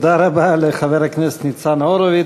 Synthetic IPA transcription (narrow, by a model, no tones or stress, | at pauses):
d̪aɾabaleχavɛɾaknɛse̥t̪nit͡sanaoɾovi